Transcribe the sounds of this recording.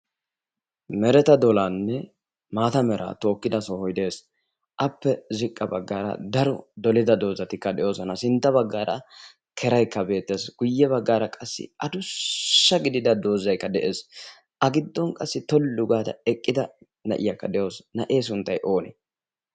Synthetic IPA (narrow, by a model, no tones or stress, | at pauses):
mɛɾɛt̪ɐd̪ɔlanːɛ | maːt̪ɐmɛɾʔa̰ːt̪o̞ːkːɪd̪ɐsohɔjd̪e̞ːs | ʔɐpːɛzɪkʼːɐbɐɡːaːɾɐ̰d̪ɐɾɔd̪ɔlɪd̪ɐd̪o̞ːzɐt̪ɪkːɐd̪ɛʔjo̞ːsɔnɐsɪnt̪ːɐβɐɡːaːɾɐ | kʰɛɾɐjkːɐbe̞ːt̪ːe̞ːsɡ̥ʊjːɛbɐɡːaːɾɐkʼɐsːɪ̰ʔɐd̪ʊː | ɐɡɪd̪ɪd̪ɐd̪o̞ːzɐjkːɐd̪ɛʔe̞ːs | ʔɐɡɪd̪ːɔnkʼɐsːɪt̪ɔlːʊɡaːd̪ɐ̰ɛkʼːɪd̪ɐ | nɐ̰ʔɪ̰jɐkːɐd̪ɛʔjo̞ːsnɐʔe̞ːs̬ʊnt̪ːɐjʔo̞ːnɛ̰